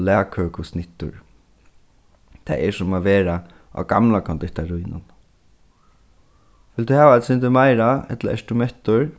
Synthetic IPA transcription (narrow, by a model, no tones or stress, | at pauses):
lɛːkʰøːkʊsnɪht̪ʊ̰ɹ | t̪ʰɛ̰ɛsʊmaʋeːɾa | a̰ɡamlakʰɔnt̪ɪht̪aɾujnʊ̰n | ʋɪld̪uhɛːʋaat̪sɪnt̪ɪmajɾaɛ̰t̪laɛ̰st̪ʊmɛht̪ʊɹ